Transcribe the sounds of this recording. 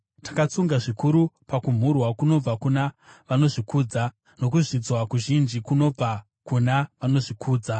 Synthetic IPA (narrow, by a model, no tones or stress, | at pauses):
tḁkat͡suŋɡaʐikuɾupakum̤urwakuno̞b͡vakunaʋano̞ʐikuːd͡za | no̞k̬uʐid͡zwakuʒind͡ʒikuno̞b͡va | kunaʋano̞ʐikʰuːd͡za